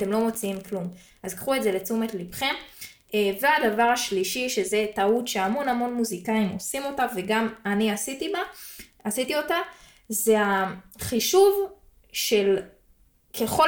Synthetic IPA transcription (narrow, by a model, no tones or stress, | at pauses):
te̞mlo̞mo̞t͡siimklum | azkχue̞tze̞le̞t͡sumetlipχem | veadavaʁaʃliʃiʃe̞ze̞tautʃe̞amo̞namo̞nmuzikaimo̞simo̞taveɡamaniasitiba | asit̪io̞ta | ze̞aχiʃuv | ʃe̞l | kʰe̞χo